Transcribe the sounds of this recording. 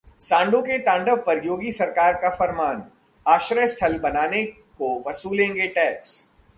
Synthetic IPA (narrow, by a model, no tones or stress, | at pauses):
sãːɳɖõkeʈ̪ãːɳɖəʋpɐɾjoːɡisɐɾkaːɾkafɐɾmaːn | aːʃɾəjəst̪ʰɐlbɐnaːne | koʋɐsuːlẽːŋɡeʈɛːks